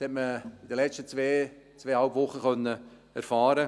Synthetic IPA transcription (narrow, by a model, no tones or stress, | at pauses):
shɛtməidəlɛt͡ʃtət͡sveː | t͡sʋeːhalpvʊχːəχœnːə | ɛɾfɑːɾə